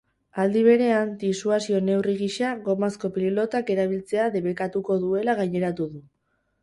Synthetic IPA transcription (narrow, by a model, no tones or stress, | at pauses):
ald̪iβ̞e̞ɾe̞ant̪isuasione̞wriɣiʃaɣo̞masko̞pillo̞t̪ake̞ɾaβ̞ilt͡se̞aðe̞βe̞kat̪uko̞ðue̞laɣ̞ajɲe̞ɾat̪uðu